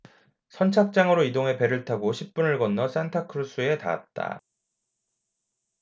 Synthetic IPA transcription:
sʰʌnt͡ɕʰak̚t͡ɕ͈aŋɯɾoidoŋe̞pe̞ɾɯɭtʰaɡoɕʰip̚p͈unɯɭɡʌnːʌs͈antʰakʰɯɾus͈ʰue̞ta̰a̰t̚t͈a̰

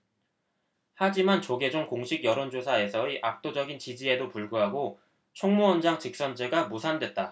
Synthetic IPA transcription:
had͡ʑimant͡ɕoɡe̞d͡ʑoŋkoŋɕʰiɡjʌɾond͡ʑosʰae̞sʰʌiʔak̚t͈od͡ʑʌɡint͡ɕid͡ʑie̞dopuɭɡuɦaɡo | t͡ɕʰoŋmuʌnd͡ʑaŋt͡ɕɯk̚s͈ʌnd͡ʑe̞ɡamusʰandwe̞t̚t͈a

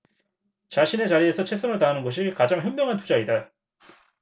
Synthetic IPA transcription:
t͡ɕaɕʰine̞t͡ɕaɾiesʰʌt͡ɕʰwe̞s͈ʰʌŋɯɭtanɯnɡʌɕ̬ʰikad͡ʑaŋjʌmːjʌŋɦantud͡ʑaida

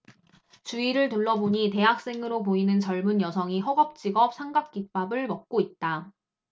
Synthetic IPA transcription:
t͡ɕuiɾɯɭtɯɭːʌboɲite̞ɦak̚s͈e̞ŋɯɾopoinɯnt͡ɕʌɭmunjʌsʰʌŋiɦʌɡʌp̚t͡ɕ͈iɡʌp̚s͈ʰaŋɡap̚k͈ik̚p͈abɯɭmʌk̚k͈oit̚t͈a

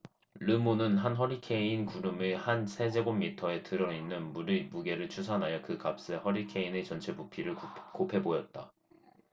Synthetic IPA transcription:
ɾɯmonɯnɦanɦʌɾikʰe̞inkuɾɯmehansʰe̞d͡ʑe̞ɡomːitʰʌe̞tɯɾʌinːɯnɾmuɡe̞ɾɯɭt͡ɕʰusʰanɦajʌkɯkap̚s͈ehʌɾikʰe̞ine̞t͡ɕʌnt͡ɕʰe̞bupʰiɾɯɭkopʰe̞bojʌt̚t͈a

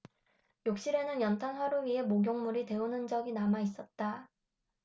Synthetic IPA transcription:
jok̚ɕ͈iɾe̞nɯnjʌntʰanɸwaɾuɥiɦe̞moɡjoŋmuɾite̞unɯnd͡ʑʌɡinamais͈ʌt̚t͈a

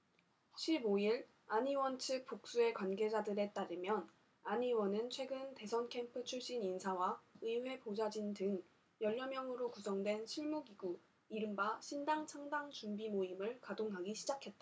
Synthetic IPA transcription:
ɕʰiboiɭ | aɲiwʌnt͡ɕʰɯk̚p͈uk̚s͈ue̞kwanɡe̞d͡ʑadɯɾe̞t͈aɾɯmjʌn | aɲiwʌnɯnt͡ɕʰwe̞ɡɯnte̞sʰʌnkʰe̞mpʰɯt͡ɕʰuɭɕ͈ininsʰawaɯiwe̞pod͡ʑad͡ʑindɯŋ | jʌʎːʌmjʌŋɯɾokusʰʌŋdwe̞nɕʰiɭmuɡiɡu | iɾɯmbaɕʰindaŋt͡ɕʰaŋdaŋt͡ɕumbimoimɯɭkadoŋɦaɡiɕʰid͡ʑakʰe̞t̚t͈a

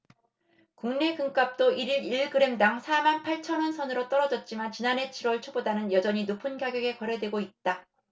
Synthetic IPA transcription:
kuŋne̞kɯŋk͈ap̚t͈oiɾiɾiɭɡɯɾe̞mdaŋsʰamanpʰaɭt͡ɕʰʌnwʌnsʰʌnɯɾot͈ʌɾʌd͡ʑʌt̚t͡ɕ͈imant͡ɕinanɦe̞t͡ɕʰiɾwʌɭt͡ɕʰobodanɯnjʌd͡ʑʌɲinopʰɯnɡaɡjʌɡe̞kʌɾɦe̞dwe̞ɡoit̚t͈a

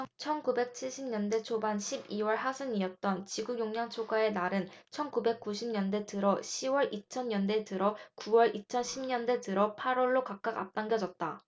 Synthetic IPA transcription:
t͡ɕʰʌnkube̞k̚t͡ɕʰiɭɕ͈ʰimɲʌnde̞t͡ɕʰobanɕʰibiwʌɭɦasʰɯniʌt̚t͈ʌnt͡ɕiɡuɡjoŋɲaŋt͡ɕʰoɡae̞naɾɯnt͡ɕʰʌnkube̞k̚k͈uɕʰimɲʌnde̞tɯɾʌɕʰiwʌɭit͡ɕʰʌnɲʌnde̞tɯɾʌkuwʌɭit͡ɕʰʌnɕʰimɲʌnde̞tɯɾʌpʰaɾwʌɭːokak̚k͈aka̰p̚t͈aŋɡjʌd͡ʑʌt̚t͈a

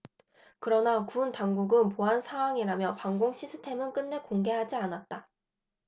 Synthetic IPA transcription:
kɯɾʌnakuntaŋɡuɡɯnpoɦansʰawaŋiɾamjʌpaŋɡoŋɕʰisʰɯ̥tʰe̞mɯnk͈ɯnːe̞koŋɡe̞ɦad͡ʑianat̚t͈a

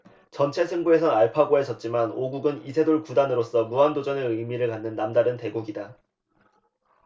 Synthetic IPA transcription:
t͡ɕʌnt͡ɕʰe̞sʰɯŋbue̞sʰʌaɭpʰaɡoɦe̞d͡ʑʌt̚t͡ɕ͈imanoɡuɡɯnisʰe̞doɭkudanɯɾos͈ʌmuɦandod͡ʑʌneɯjmiɾɯɭkanːɯnːamdaɾɯnte̞ɡuɡida

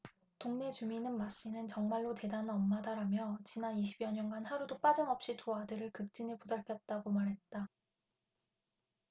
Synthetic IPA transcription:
toŋne̞t͡ɕuminɯnmaɕ͈inɯnt͡ɕʌŋmaɭːote̞danɯnʌmːadaɾamjʌt͡ɕinaniɕʰibjʌɲʌnɡanhaɾudop͈ad͡ʑɯmʌp̚ɕ͈it͡ɕoadɯɾɯɭkɯk̚t͡ɕ͈inepudaɭpʰjʌt̚t͈aɡomaɾɦe̞t̚t͈a

